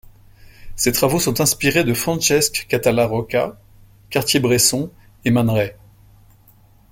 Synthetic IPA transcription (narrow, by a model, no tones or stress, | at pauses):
set̪χavosɔ̃t̪ɛ̃spiʁed̪əfχɑ̃ʃɛskkat̪alaʁɔkʲa | kaʁt̪jebʁesɔ̃ | emanʁɛ